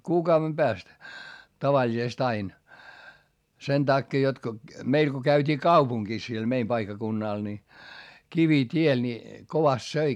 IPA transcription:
kuːkɑuʋem b̥æːst tɑʋɑlʲisest ɑin sen tɑkːeː jot ko meil ko kæytʲiː kɑupuŋɡ̊is siel meim pɑikːɑkunːɑˑl ni kiʋitʲie ni koʋɑst søi

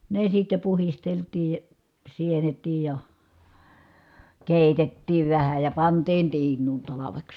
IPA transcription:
ne sitːe puhisteltiː sienetˑiːj jɑ keˑitetːiːʋ ʋæhæ jɑ pɑntiːn tiːnˑuːn tɑlɑʋeks

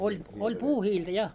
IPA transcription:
olʲ olʲ puːhiːltæ jɑ

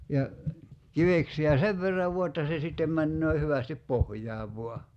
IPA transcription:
jɑ kiʋeksiæ seʋ ʋerːɑʋ ʋuɑ etːæ se sitːem mænːøː hyʋæstip pohjˑɑːʋ ʋoɑ

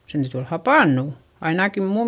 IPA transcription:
sen tæyty ol hɑpɑˑnːuˑ ɑinɑki muːm

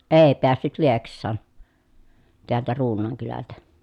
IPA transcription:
eˑi̯ peæsːyt lieksˑɑːn teæltæ ruːnˑɑːŋ kylæltæ

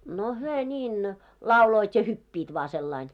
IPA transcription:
no hyø nʲiːn lɑuloit jɑ hypːiːt ʋɑː selːɑin

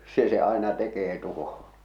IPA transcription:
se se ɑˑe̝nɑ tekeː tuhoɑ̥

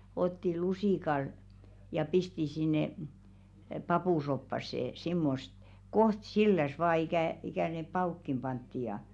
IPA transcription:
otːi lusiˑkɑl jɑ pisti sinːe pɑpuˑsopːɑsːe simːost koht silːæs ʋɑː ikæˑ ikæˑ ne pɑuˑkːim pɑntːi jɑ

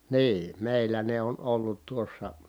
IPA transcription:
niː meˑilːæ ne on olːut tuosːɑ

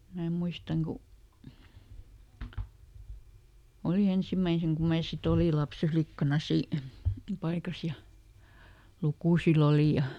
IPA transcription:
mæː muistɑŋ ku oli ensimæiseŋ kum̆ mæː sit oli lɑps eflikːɑnɑ si pɑikɑs jɑ lukuˑsil oli jɑ

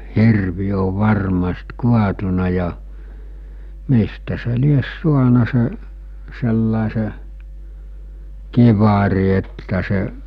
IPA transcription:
hirʋi oʋ̆ ʋɑrmɑst kuɑtunɑ jɑ mistæ se lies suɑnɑ se selːɑˑese kiʋɑri etːæ seʔ

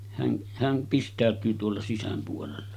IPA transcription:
hæn hæn pistˑæˑøtˑyː tuolːɑ sisæm puolelːɑ

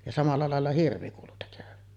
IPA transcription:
jɑ sɑmɑlːɑ lɑˑelːɑ hirʋi kuːlu tekøʋæn

